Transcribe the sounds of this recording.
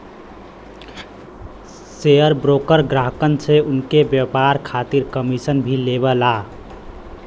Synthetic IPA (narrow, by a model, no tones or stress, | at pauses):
seəɾbɾokəɾɡɾaɦkənt͡ʃʰeunkebjəpaɾkʰat̪iɾkəmisənbʱileβəla